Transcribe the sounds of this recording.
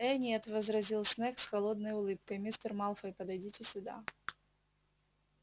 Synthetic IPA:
ɛnʲet̪vəzɾɐzʲilˠsnɛksxɐlˠod̪nəjʊlˠɨp̚kəjmʲist̪ərmɑlˠfəjpəd̪ɐjdʲitʲɪsʲʊd̪a̰

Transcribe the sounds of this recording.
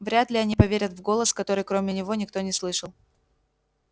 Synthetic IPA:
vɾʲat̪lʲɪɐnʲipɐvʲeɾʲət̪vɡo̞lˠəskɐt̪o̞ɾɨjkɾo̞mʲɪnʲɪvo̞nʲɪkt̪o̞nʲɪslˠɨʂəlˠ

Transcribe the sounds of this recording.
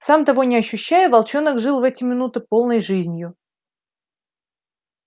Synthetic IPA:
samt̪ɐvo̞nʲɪɐɕːʉɕːæjʊvɐlˠt͡ɕo̞nəkʐɨlˠvɛtʲɪmʲɪnut̪ɨpo̞lˠnəjʐɨzʲnʲjʊ

